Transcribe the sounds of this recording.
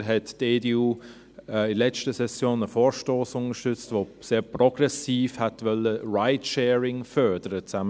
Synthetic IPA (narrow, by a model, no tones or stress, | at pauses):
ɦɛtdeːdeːuː | ɛɪlɛt͡ʃtəsɛsjoːnəfoːɾʃtoːsʊnəʃtʏt͡stvoseːɾprɔɡ̥rɛsiːfhɛtvœləraɪtʃɛːɹɪŋfœɾd̥əɾət͡samə